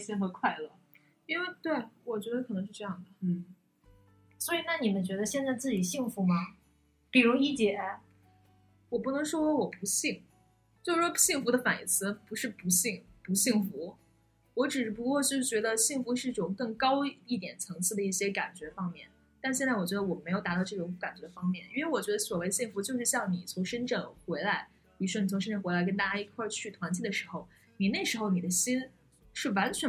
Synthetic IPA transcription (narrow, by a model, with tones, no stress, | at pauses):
ɕɛ˥nxɤ˧˥kʰwa˥˩ɪlə˩ | i˥ŋwe˥˧ɪt̪we˥˩ɪwɔ˨˩t͡ɕɥɛ˧˥d̪ə˧kʰɤ˨˩ɤ˧˥ŋʂɻ̩˥˧ʈ͡ʂɤ˥˧jɑ˥˩ŋd̪ə˩˥˩ | swɔ˧˥i˨˩na˥˩ni˨˩mə˦nt͡ɕɥɛ˧˥d̪ə˧ɕjɛ˥˧nt͡sa˥˧ɪt͡sɹ̩˥˩t͡ɕi˨˩ɕi˥˩ŋfu˧˥mɐ˧ | pi˨˩ɻu˧˥i˥t͡ɕjɛ˨˩˧ | wɔ˨˩pu˥˩nɤ˧˥ŋʂwɔ˥wɔ˥wɔ˨˩pu˧˥ɕi˥˩ŋ | t͡ɕjo˥˧ʊʂɻ̩˥˩ʂwɔ˥ɕi˥˩ŋfu˧˥d̪ə˧fa˨˩nḭ˥˩t͡sʰɹ̩˥˧pu˧˥ʂɻ̩˥˩pu˧˥ɕi˥˩ŋpu˧˥ɕi˥˩ŋfu˧˥ | wɔ˧˥ʈ͡ʂɻ̩˨˩˥p̬u˧˥kwɔ˥˧t͡ɕjo˥˧ʂ̩˥˩t͡ɕɥɛ˧˥d̪ə˧ɕi˥˩ŋfu˧˥ʂɻ̩˥˩i˥˩ʈ͡ʂʊ˨˩ŋkɤ˥˩ŋkɑ˥ʊi˥˩t̪jɛ˨˩nt͡sʰɤ˧˥ŋt͡sʰɹ̩˥˩d̪ə˩i˥˩ɕjɛ˥ka˨˩nt͡ɕɥɛ˧˥fɑ˥ŋmjɛ̰˥˩n | t̪nɕjɛ˥˧nt͡sa˥˩wɔ˨˩t͡ɕɥɛ˧˥d̪ə˧wɔ˨˩me˧˥ɪjʊt̪a˧˥t̪ɑ˥˧ʊʈ͡ʂɤ˥˩ʈ͡ʂʊ˧˥ŋ˥ka˨˩nt͡ɕɥɛ˧˥d̪ə˧fɑ˥ŋmjɛ˥˩ni˥nwe˧˥ɪwɔ˨˩t͡ɕɥɛ˧˥d̪ə˧swɔ˨˩we˥ɪɕi˥˩ŋfu˧˥t͡ɕjo˥˧ʊʂɻ̩˥˧ɕjɑ˥˩ŋni˨˩t͡sʰʊ˧˥ŋʂə˥nʈ͡ʂɤ˥˩ŋxwe˧˥ɪla˧˥ɪ | pi˨˩ɻʂwɔ˥ni˨˩t͡sʰŋʂə˥nʈ͡ʂɤ˥˩xwɪa˧˥ɪkə˥nt̪a˥˩t͡ɕja˥i˥˧˩kʰwa˥˧t͡ɕʰy˥˩t̪ʰwa˧˥nt͡ɕʰi˥˩d̪ə˩ʂɻ̩˧˥xo˥˧ʊ | ni˨˩ne˥˩ɪʂɻ̩˧˥xo˥˩ʊni˨˩ə˦ɕi˥n | ʂɻ̩˥˩wa˧˥nt͡ɕʰɥɛ˧˥